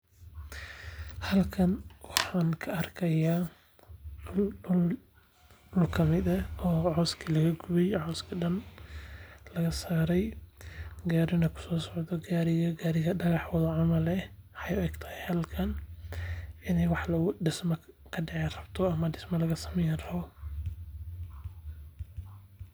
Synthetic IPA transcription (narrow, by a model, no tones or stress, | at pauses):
hɐlkʰɐnwɑħɑːnkʰɐɐrkʰɐjaː | lɖʊl | ʊlkʰɐmɪd̪ɐɔːʕɔːskʰilɐɣɐɡʊβɛjʕɔːskʰɐɖɐn | lɐɣɐsaːɾɛj | ɡaːɾɪnɐkʰʊ̥sɔːsɔʕd̪ɔɡaːɾɪɣɐɡaːɾɪɣɐɖɐɣɑħwɔðɐʕɑmɐlɛhɛjʊɛɡt̪ʰɐ̥hɛjhɐlkʰɐn | ɪnɛjwɑħlɐɖɪsmɐkʰɐɖɛʕɛrɐbt̪ʰɔɐmɐɖɪsmɐlɐɣɐsɐ̥mɛjɾ